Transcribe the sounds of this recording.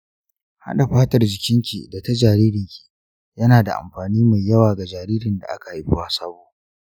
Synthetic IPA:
ha̰˦ɗa˨ɸaː˦tɐ˨rd͡ʒɪ˨kʲɪ˦ŋkʲḭ˨da˨ta˦d͡ʒaː˨ɾiː˦ɾɪ˨ŋkʲi̥˨ | jɐ˦naː˨da̰˨ʔa̰˨mɸaː˨niː˦ma˨jjɐ˦waː˨ɡa˨d͡ʒaː˨ɾiː˦ɾɪ˨nda̰˨ʔa̰˦ka˨i˦ɸʊ˦waː˦sɐ˦boː˦ʔ

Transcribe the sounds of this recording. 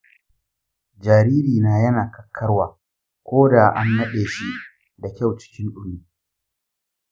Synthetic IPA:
d͡ʒaː˨ɾiː˦ɾiː˨naː˦jɐ˦naː˨kɐ˦kʰːɐ˦rwaː˨ | kʷoː˦da˨ʔa̰˦nːɐ˦ɗeː˨ʃi˦ʔ | da˨kʲa˦˨wt͡ʃɪ̥˦kʲɪ˦nɗʊ˦miː˦

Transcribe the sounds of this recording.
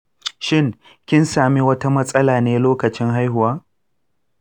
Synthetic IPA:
ʃɪ˦ŋ | kʲɪ˦nsaː˨mi˦wɐ˦ta˦mɐ˦sʼɐ˦laː˨neː˦loː˦kɐ˨t͡ʃɪ˦ŋɦa˦jhʊ˨waː˦

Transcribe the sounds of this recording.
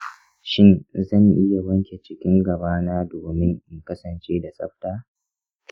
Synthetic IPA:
ʃɪ˦nzɐ˦˨ŋʔɪ˦ja˨bɐ˦ŋkʲe˨t͡ʃɪ˦kʲɪ˦ŋɡɐ˨baː˦naː˦doː˨mɪ˦ŋʔɪ˨ŋkɐ˦sɐ˨nt͡ʃeː˦da˨sʼɐ̰˦ɸtaː˦

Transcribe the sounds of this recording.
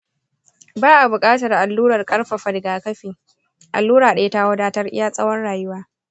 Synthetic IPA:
baː˦ʔa˨bʊ˨kʼaː˦tɐ˨rʔa˨lːuː˦ɾɐ˨rkʼɐ˦rɸa˨ɸɐ˨dɡaː˨kɐ˦ɸiː˨ | ʔa̰˨lːuː˦ɾaː˨ɗa˦je˦ta˦wɐ˦daː˦tɐ˦rʔɪ˦jaː˦sʼɐ˦wɐ˦nɽaː˨jʊ˦waː˦

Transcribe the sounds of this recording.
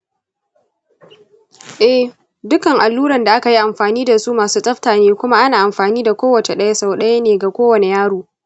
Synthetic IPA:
ʔɛ˦ | dʊ˦kɐ˨ŋʔa˨lːuː˦ɽɐ˨nda˨ʔa˦ka˨ji˦ʔa˨mɸaː˨niː˦da˨suː˦maː˨suː˦tʼɐ˦ɸtaː˨neː˦kʷʊ˦ma˦ʔa˦naː˨ʔa˨mɸaː˨niː˦da˨kʷoː˦wɐ˨t͡ʃe˨ɗɐ˦ja˦sa˨wɗɐ˦ja˦neː˨ɡa˨kʷoː˦wɐ˨ne˨jaː˦ɽuː˨

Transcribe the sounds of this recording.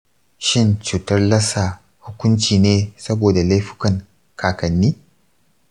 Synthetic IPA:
ʃɪ˦nt͡ʃuː˨tɐ˦rlɐ˦sa˨ | hʊ˦kʷʊ˦nt͡ʃiː˨neː˦sɐ˦boː˨da˨la˦jɸɪ̥˦kɐ˨ŋ | kʰaː˨kɐ˨nːiː˦

